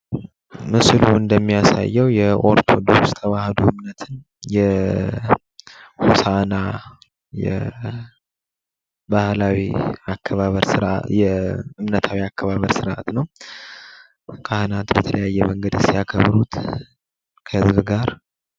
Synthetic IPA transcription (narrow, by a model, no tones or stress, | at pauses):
mɨsluɨnd̪əmːijasa̰jːɛwjɛʔo̞ɾt̪ʰod̪ost̪ʰəβahəd̪oʔɨmnət̪ʰɨn | jɛ | husana | jɛ̰ | bahlawiakʰːəβaβəɾsɨɾʔjɛɨmnət̪ʰawiakːəβaβəɾsɨɾʔa̰t̪nəw | kʰahɨnat̪bət̪ʰələjajːɛməŋɡəd̪sijakʰəβɾut̪ | kʰəhɨzbɨɡaɾ